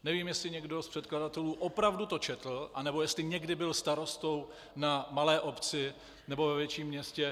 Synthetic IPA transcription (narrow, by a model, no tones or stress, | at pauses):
nɛviːmjɛslɪɲɛɡdo̞spr̥ɛt̪̚kladat̪ɛluːʔo̞pɾavdut̪o̞t͡ʃɛt̪l̩ʔanɛbo̞jɛst̪lɪɲɛɡdɪbɪlst̪aɾo̞st̪o̞w | namalɛːʔo̞pt͡sɪ | nɛbo̞vɛvjɛt͡ʃiːmːɲɛscɛ